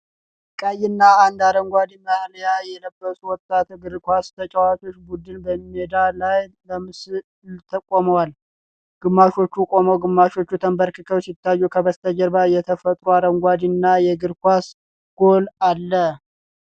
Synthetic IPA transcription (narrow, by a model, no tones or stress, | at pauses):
kʼəjːɪnːaːnd̪aɾəŋɡʷad̪iməhljajɛləbːəsʼuwɔt̪ʼːat̪ɡɨɾkʷast̪ʰət͡ʃʼawat͡ʃ̪ʰo̞t͡ʃːbud̪ɨnbəmed̪alajləmɨsɨ | lt̪ʰəkʼːoməwal | ɡ̥ɨmːaʃo̞t͡ʃːukʼo̞məwɡɨmːaʃo̞t͡ʃːut̪ʰəmbəɾkɨkʰəwsɪt̪ːajːukʰəbəst̪ʰəd͡ʒəɾbajɛt̪ʰəfət̪ʼɾuaɾəŋɡʷad̪inːajɛɡɨɾkʷas | ɡ̥o̞lalːə